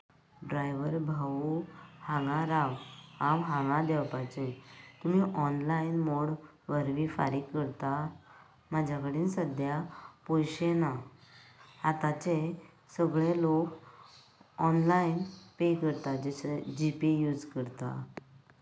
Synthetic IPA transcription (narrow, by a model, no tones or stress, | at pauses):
ɖɾajʋəɾbʱauhãŋɡãɾaʋhãʋɦãŋɡãd̪ɛwpat͡ɕet̪um̤iʔɔnlainmoɽ | ʋəɾʋifa̰ɾikːəɾt̪a | mad͡ʑʱjakəɽiːnsəd̪ʱjapojɕena | at̪at͡ɕe | səɡɭelok | ɔnlainpekəɾt̪ad͡ʑeɕd͡ʑipijud͡zkəɾt̪a̰